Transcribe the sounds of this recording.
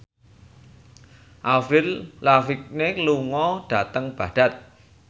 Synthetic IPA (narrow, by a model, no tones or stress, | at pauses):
ʔafɾɪllafɪk̚neluŋɔɖ̥ä̤t̪əŋb̥a̤ɖ̥a̤t̪̚